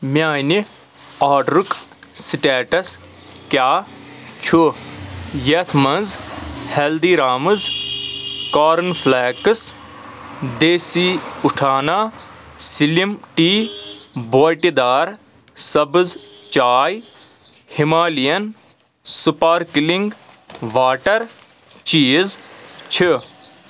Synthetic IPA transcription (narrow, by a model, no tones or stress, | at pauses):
mjaːini | aːɖɾuksiʈeːʈɐs | kjaːt͡ʃʰu | jet̪ʰmɐnzheld̪iːɾaːmɨz | kaːɾɐnfʰlɛːkɨs | d̪eːsiuʈʰaːnaː | silimʈiː | boːjʈid̪aːɾ | sɐbɨzt͡ʃaːj | himaːlijɐn | supaɾkilĩŋɡ | ʋaːʈɐɾ | t͡ʃiːzt͡ʃʰi